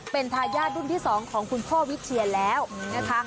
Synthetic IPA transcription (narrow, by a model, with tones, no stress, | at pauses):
pe˧nt̪ʰaː˧jaː˥˩t̪̚du˥˩nt̪ʰiː˥˩sɔː˩˦ŋkʰɔː˩˦ŋkʰu˧nkʰoː˥˩wi˦˥t͡ɕʰi˧əlɛː˦˥wna˦˥kʰa˦˥